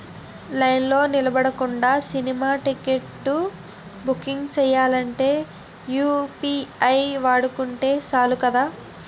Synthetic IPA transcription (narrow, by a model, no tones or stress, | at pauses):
lɐjnlo̞ːnilɐbɐɽɐkuɳɖaːsinimaːʈikeʈːu | bukːiŋɡt͡ʃɛjːaːlɐɳʈe̞ː | juːpiɐjʋaːɽukuɳʈe̞ːsaːlukɐd̪aː